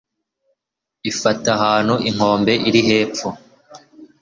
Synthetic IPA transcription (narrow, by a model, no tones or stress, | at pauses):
ifataɦaːn̥huiŋ̥o̞ːmbe̞ʔiɾiɦe̞ːp͡fu